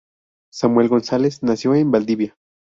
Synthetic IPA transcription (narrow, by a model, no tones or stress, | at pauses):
samwe̞lɣo̞nsale̞snasjo̞embald̪iβja